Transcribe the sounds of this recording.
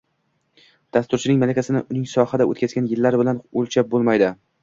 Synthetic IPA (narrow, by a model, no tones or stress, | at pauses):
d̪̥ast̪ʊɾt͡ʃʰɪnɪŋmalakʲasɪnɪʔʊnɪŋsɒhad̪ao̰t̪kʲʰazɡʲanjɪlːaɾbɪlanolt͡ʃʰap̚bolˠmajd̪ɪ